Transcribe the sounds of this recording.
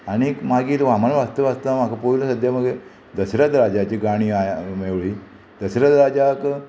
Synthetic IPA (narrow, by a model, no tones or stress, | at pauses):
añikmaɡiːt̪ʋamanʋast̪əʋast̪amakapoiləsəd̪jaməɡe | d̪əsɾat̪ɾad͡ʑat͡ɕiɡaɽ̃iːameʋɭiː | d̪əsɾat̪ɾad͡ʑak